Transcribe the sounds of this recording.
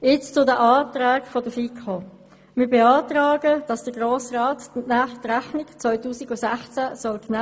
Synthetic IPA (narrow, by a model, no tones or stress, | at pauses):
jɪt͡st͡sʊdəʔaːtɾaːkfodəfikʰo | mɪːɾbeaːtɾaːɡəd̥ɑsd̥əɡʁoːsraːtnaχtʁæχnɪkt͡sʋɔʏtuːsiɡʊsæχt͡sæsɔlkn